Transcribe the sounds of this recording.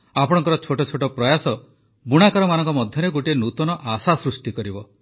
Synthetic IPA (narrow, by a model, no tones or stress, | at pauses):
apɔɽ̃ɔŋkɔɾɔt͡ʃʰoʈɔt͡ʃʰoʈɔpɾɔjasɔ | buɽ̃akaɾɔmanɔ̃ŋkɔmɔd̪ʱjɔɾeɡoʈienut̪ɔnɔʔasasɾusʈikɔɾibɔ